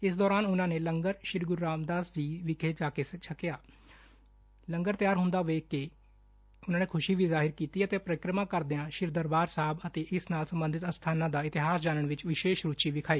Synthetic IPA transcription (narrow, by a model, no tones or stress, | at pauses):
ɪsd̪ɔːɾaːnʊnãːneːləŋɡəɾʃɪɾɡʊɾːaːmd̪aːsd͡ʒiːʋɪkʰeːd͡ʒaːkeːst͡ʃʰəkɪjaː | ləŋɡəɾt̪jaːɾɦʊnd̪aːʋeːkɪ | ʊnãːneːkʰʊʃiːʋiːzaːɦɪɾkiːt̪iːət̪eːpɾəkɾəmãːkəɾd̪ɪãːʃɪɾd̪əɾbaːɾsaɦəbət̪eːʔɪsnaːlsəmbənd̪ɪt̪ənst̪ʰaːnãːd̪aːɪt̪ɪɦaːsd͡ʒaːnəɳ̃ʋɪt͡ʃʋɪʃeːʃɾuːt͡ʃiːʋɪkʰaːiː